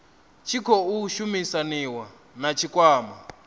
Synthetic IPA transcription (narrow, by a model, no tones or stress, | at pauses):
t͡ʃʰikʰɔuʃumisaniwa | nat͡ʃʰikʼwaːma